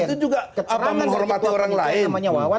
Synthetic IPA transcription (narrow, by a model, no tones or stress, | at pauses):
t̪ud͡ʒuɡaapamaŋɦɔrmat̪ioɾaŋlaɪnaɲaw